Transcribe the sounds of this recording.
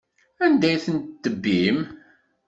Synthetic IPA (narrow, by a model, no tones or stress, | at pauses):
ænd̪æjθənt̪d̪əbːim